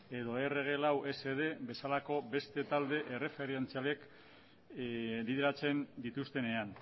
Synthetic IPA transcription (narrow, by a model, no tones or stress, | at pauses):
e̞ðo̞e̞re̞ɣ̞e̞lawʔe̞se̞ð̞e̞be̞salako̞be̞st̪e̞t̪ald̪e̞ʔere̞fe̞ɾent͡sialek | liðeɾat͡se̞nd̪it̪ust̪e̞ne̞an